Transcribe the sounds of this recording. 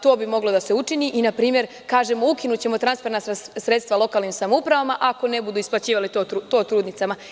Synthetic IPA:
t̪o̞ːbimo̞ɡlo̞d̪ase̞ut͡ʃiniːʔinapɾiːmje̞ɾ | kaːʒemo̞ukinut͡ɕe̞mo̞t̪ɾansfeɾnasɾsɾet̪st̪ʋalo̞kaːlnimsamoupɾaʋamaʔako̞ne̞bud̪uːisplˠat͡ɕiːʋalit̪out̪o̞ːt̪ɾuːd̪nit̪sama

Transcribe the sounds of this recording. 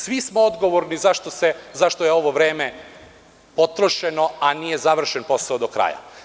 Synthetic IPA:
sʋismood̪ɡo̞ʋo̞ɾnizaʃt̪osezaʃt̪o̞jeo̞ʋo̞ʋɾeːme | po̞t̪ɾo̞ʃe̞no̞anijezaʋr̩ʃenpo̞saod̪okɾa̰ja̰

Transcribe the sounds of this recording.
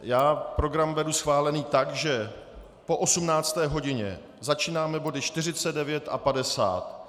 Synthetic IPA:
jaːpɾo̞ɡɾamvɛdusxvaːlɛniːt̪akʒɛ | po̞ʔo̞sumnaːt͡st̪ɛːɦo̞ɟɪɲɛ̰ | zat͡ʃiːnaːmɛbo̞dɪt͡ʃt̪ɪr̝ɪt͡sɛd̚dɛvjɛt̪ʔa̰padɛsa̰ːt̪

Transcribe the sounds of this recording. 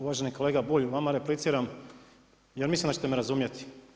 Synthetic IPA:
uʋaʒe̞nikoleːɡabuʎʋamaɾeplit̪siːɾam | jeɾmislimd̪at͡ɕet̪emeɾazumjet̪i̥

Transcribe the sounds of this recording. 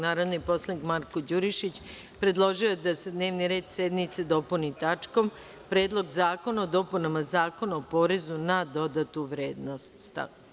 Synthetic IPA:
naːɾo̞d̪nipo̞slˠanikmaɾko̞d͡ʑuɾiʃit͡ɕ | pɾe̞d̪lˠo̞ʒioed̪ase̞d̪ne̞ːʋniɾe̞ːd̪sed̪nit̪se̞d̪o̞punit̪at͡ʂko̞m | pɾe̞ːd̪lˠo̞ɡzaːko̞naod̪o̞punamazaːko̞naopo̞ɾe̞zunad̪o̞d̪at̪uʋɾeːd̪nost̪t̪a̰

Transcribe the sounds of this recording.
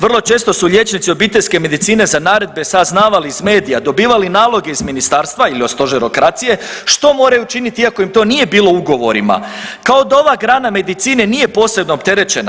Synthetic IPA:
ʋr̩lˠo̞t͡ʃe̞ːst̪o̞suʎje̞t͡ʃnit̪sio̞biːt̪eʎʲske̞me̞d̪it̪siːne̞zanaːɾe̞d̪̚be̞saznaːʋaliːzme̞ːd̪ijad̪o̞biːʋalinaːlˠo̞ɡe̞izminist̪aːɾst̪ʋailiost̪o̞ʒeɾo̞kɾat̪sije̞ʃt̪o̞mo̞ːɾajut͡ʃinit̪iiako̞imt̪o̞ːniːje̞biːlˠo̞uɡo̞ʋo̞̰ɾḭma̰kao̞d̪ao̞ʋaːɡɾaːname̞d̪it̪siːne̞nije̞po̞ːse̞bno̞ːpt̪e̞ɾe̞t͡ʃe̞na̰

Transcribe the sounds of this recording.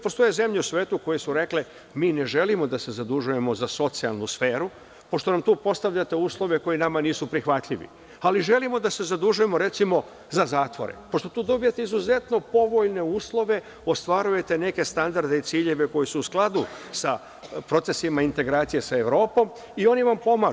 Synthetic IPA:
po̞st̪o̞jeze̞mʎeusʋeːt̪uko̞jesuɾe̞kle | miːne̞ʒe̞limo̞d̪ase̞zad̪uʒuje̞mo̞zaso̞t̪sia̰lˠnusfe̞ːɾu | po̞ʃt̪o̞namt̪uːpo̞st̪aʋʎat̪e̞uːslˠo̞ʋeko̞jinamaniːsupɾixʋat̪ʎiʋḭ | aliʒe̞limo̞d̪ase̞zad̪uʒuje̞mo̞ɾe̞t̪simo̞ | zazaːt̪ʋo̞̰ɾḛpo̞ʃt̪o̞t̪uːd̪o̞bijet̪e̞izuze̞t̪no̞po̞ʋo̞ʎne̞uːslˠo̞ʋe̞ | o̞st̪ʋaɾuje̞t̪e̞ne̞ke̞st̪and̪aɾd̪eit̪siːʎe̞ʋe̞ko̞jisuːsklˠad̪usa | pɾo̞t̪se̞simaint̪e̞ɡɾaːt̪sije̞sae̞ʋɾo̞ːpo̞m | io̞niʋampo̞ma

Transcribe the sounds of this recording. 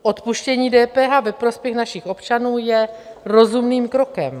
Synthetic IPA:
ʔo̞t̪puʃcɛɲiːdɛːpɛːɦavɛpɾo̞spjɛxnaʃɪxʔo̞pt͡ʃanuːjɛɾo̞zumniːmkɾokɛ̰m

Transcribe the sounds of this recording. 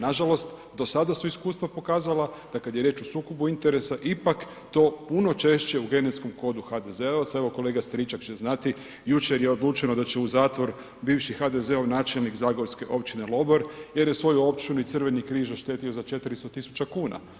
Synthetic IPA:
naʒalo̞st̪ | d̪o̞sad̪asuiskuːst̪ʋapo̞kaːzalad̪̥akad̪jeɾje̞ːt͡ʃosuːkobuint̪e̞ɾe̞saʔipak | t̪o̞ːpuno̞t͡ʃe̞ʃt͡ɕe̞uɡe̞net̪sko̞mko̞d̪uxad̪e̞zeoʋat̪sae̞ʋo̞ko̞le̞ːɡast̪ɾit͡ʃakt͡ʃeznat̪i | jut͡ʃeɾjeod̪luːt͡ʃenod̪at͡ʃeuzaːt̪ʋo̞ɾ | biːʋʃixad̪e̞ze̞oʋnaːt͡ʃelnikzaːɡoɾske̞ʔo̞p̚t͡ʃine̞lˠo̞boɾje̞ɾjesʋo̞juo̞pt͡ʃinuit̪sɨr̩ʋe̞nikɾiːʒaʃt̪e̞ːt̪io̞zat͡ʃe̞t̪ɾist̪ot̪isu̥t͡ʃakuːna̰

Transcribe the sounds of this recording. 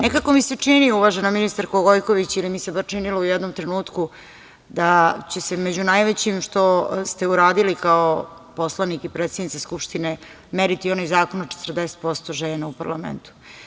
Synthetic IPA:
nekako̞mise̞t͡ʂiniuʋaʒenaminist̪aɾkoɡojko̞ʋit͡ɕilimisebaʃt͡ʃiniloujɛd̪no̞mt̪ɾe̞nuːt̪ku | d̪at͡ɕe̞se̞med͡ʑunajʋet͡ɕimʃt̪o̞st̪e̞uɾaːd̪ilikao | po̞slˠanikipɾeːt̪sed̪nit̪seskupʃt̪ine | meɾit̪ionojzaːko̞not͡ʃet̪ərd̪eset̪̚po̞st̪oʒeːnaupaɾlamḛnt̪u̥

